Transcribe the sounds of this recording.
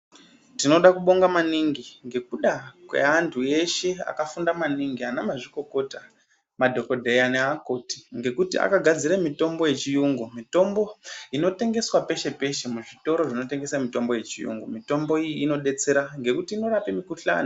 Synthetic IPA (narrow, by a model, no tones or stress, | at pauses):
tino̞ɗakuɓo̞ŋɡamaniŋɡiŋɡe̞k̚uɗakwḛantʰue̞ʃe̞a̰kafundamaniŋɡianamaʐiko̞ko̞ta | madʱo̞ko̞dʱeaneako̞ti̥ŋɡe̞kutḭa̰kaɡʱad͡ziɾamito̞mbo̞je̞t͡ʃijuŋɡumito̞mbo̞ino̞te̞ŋɡe̞swape̞ʃe̞pe̞ʃemuʐito̞ɾo̞ʐino̞te̞ŋɡe̞samito̞mbo̞je̞t͡ʃijṵŋɡumito̞mbo̞ijiːno̞ɗe̞t͡se̞ɾaŋɡe̞kutiːno̞ɾapimikuɬa̰ːni